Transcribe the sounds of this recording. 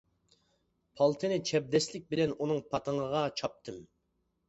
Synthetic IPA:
pʰɑlˠt̪ʰɨnɪt͡ʃʰɛb̚d̪ɛslɪk̚ʲbɪlɛnunɨŋpʰɑt̪ʰəŋəʁɑt͡ʃʰɑp̚t̪ʰɨm

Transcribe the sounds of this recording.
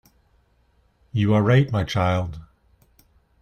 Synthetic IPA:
jɨəɹaɪt̚maɪt͡ʃʰaɪlˠd̥

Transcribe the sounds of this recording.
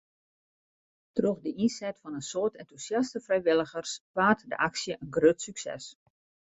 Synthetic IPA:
troxdəʔinsɛtfɔnənsoːtʰɛntusjastəfrɛjʋɪlˠəɣərspaːtdə̰ʔaksjəʔənɡrøtsyksɛ̰s

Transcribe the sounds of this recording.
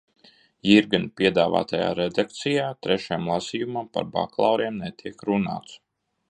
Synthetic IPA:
jiɾɡɨnpiɛd̪aːva̰ːt̪aja̰ːɾed̪ak̚t̪sijaːt̪ɾɛʃajmlˠasiːjumampa̰ɾba̰klˠa̰wɾiɛmnet̪ʰiɛkɾuna̰ːt̪s

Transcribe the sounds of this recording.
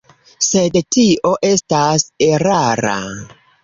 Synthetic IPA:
se̞dtiʔo̞ʔe̞stase̞ɾaɾa̰

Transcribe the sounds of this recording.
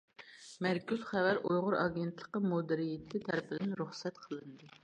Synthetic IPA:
mæɾkʲyz̥χævæɾojʁʊɾɑɡʲent̪ʰlˠəqəmod̪ɪɾijɪt̪ʰːɪt̪ʰæɾpʰɪd̪ɪnɾuχsɛt̪qʰəlˠɨnd̪ɨ

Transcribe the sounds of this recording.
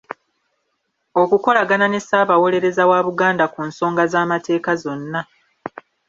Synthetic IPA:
o̞kuko̞laɡanane̞saːβawo̞le̞ɾe̞zawaːβuɡaːndakuːnso̞ːŋɡazaːmate̞ːkazo̞nːa

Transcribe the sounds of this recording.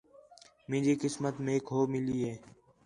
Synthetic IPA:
mẽːd͡ʒiːkɪsmət̪meːkɦoːmɪliːɦeː

